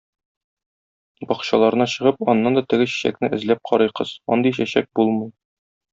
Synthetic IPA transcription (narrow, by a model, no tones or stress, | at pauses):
bɒqɕɑlˠɑɾɤ̆nɑɕɤ̆ʁɤpɒnːɑnd̪ɒt̪ɘ̆ɡɘɕæ̥ɕæ̰knɘʔɘ̆zlæp̚qʰɒɾɤjqɤz̥ɒnd̪iɕæɕæk̚bulˠmɤj